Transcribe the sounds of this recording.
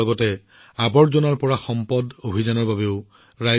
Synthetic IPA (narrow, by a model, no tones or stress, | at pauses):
ɔɡɔtɛ | abɔɹzonaɹpɔɹaxɔmpɔdobʱizanɔɹbabeʊ | ɹaj